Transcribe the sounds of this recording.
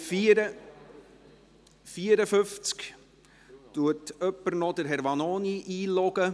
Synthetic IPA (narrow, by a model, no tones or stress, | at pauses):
fiːəɾəfʏft͡sk | tuətœpːəɾnɔdəɾɦɛɾʋɑnoːniʔiːlɔɡ̥ə